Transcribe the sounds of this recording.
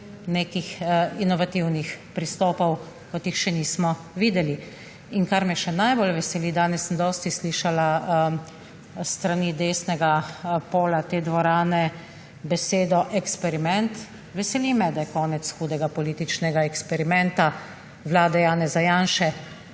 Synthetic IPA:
neːkixinɔʋat̪iwnixpɾist̪ɔːpɔw | kɔt̪jixʃɛniːsmɔ | ʋiːd̪ɛli | iŋkaɾmɛʃɛnajbolʋɛsɛliːd̪aːnɛsːənd̪ɔːst̪isliːʃala | st̪ɾaniːd̪eːsnɛɡapoːlat̪eːd̪ʋɔɾaːnɛ | bɛseːd̪ɔʔɛkspɛɾimɛnt̪ | ʋɛsɛliːmɛd̪ajɛkɔːnɛt̪sxuːd̪ɛɡapɔliːt̪it͡ʃnɛɡaɛkspɛɾimɛnt̪a | ʋlaːd̪ɛjaːnɛzajaːnʃɛ

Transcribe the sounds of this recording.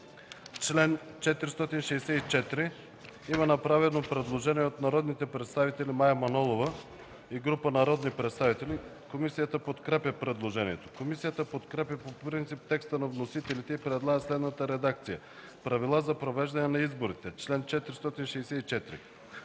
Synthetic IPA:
t͡ʃlɛnt͡ʃɛt̪iɾist̪ɔt̪inʃɛjsɛit͡ʃɛt̪ɾi | imɐnɐpɾavɛnopɾɛd̪lˠoʒɛniɛot̪nɐɾɔd̪nit̪ɛpɾɛt̪st̪avit̪ɛlimajɐmɐnɔlˠovə | iɡɾupənɐɾɔd̪nipɾɛt̪st̪avit̪ɛli | komisijət̪əpot̪kɾɛpjəpɾɛd̪lˠoʒɛniɛt̪o̥komisijət̪əpot̪kɾɛpjəpopɾint̪sip̚t̪ɛkst̪ənɐvnosit̪ɛlit̪ɛipɾɛd̪lˠaɡəslɛd̪nət̪əɾɛd̪akt̪sijə | pɾɐvilˠazɐpɾovɛʒd̪ɐnɛnɐizboɾit̪ɛt͡ʃlɛnt͡ʃɛt̪iɾist̪ɔt̪inʃɛjsɛit͡ʃɛt̪ɾḭ

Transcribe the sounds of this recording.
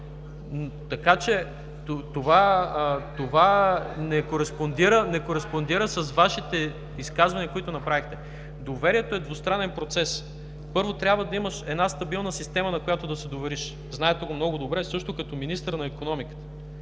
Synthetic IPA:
n | t̪ɐkat͡ʃɛ | t̪ot̪ova | t̪ovanɛkoɾɛspond̪iɾənɛkoɾɛspond̪iɾəsɐzvaʃit̪ɛ | iskazvɐniɐkoit̪ʊnɐpɾavixt̪ɛ | d̪ovɛɾiɛt̪oɛd̪vost̪ɾanɛnpɾot̪sɛs | pɤɾvot̪ɾʲjabvəd̪ɐiməʃɛd̪nast̪ɐbilˠnəsist̪ɛmɐnɐkojat̪ʊd̪ɐsɛd̪ovɛɾiʃ | znaɛt̪ɛɡomnɔɡʊd̪obɾɛsɤʃt̪okɐt̪ɔminist̪əɾnɐikonɔmikə̥t̪ə̥

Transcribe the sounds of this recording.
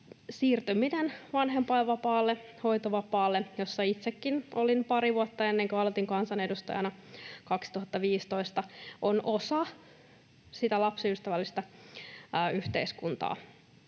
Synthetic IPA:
siːrt̪øminenʋɑnɦempɑeʋʋɑpɑːlːe | ho̞jt̪oʋɑpɑːlːejo̞sːɑit̪sekːinolinpɑɾiʋuɑt̪ːɑenːeŋkøɑlet̪iŋkɑnsɑne̞dust̪ɑ̰jɑ̰nɑkɑksi̥t̪uɦɑt̪ːɑʋiːst̪o̞ist̪ɑʔonosɑ | sit̪ælɑpsiyst̪æʋælːist̪æː | yht̪eiskunt̪ɑ̰ː

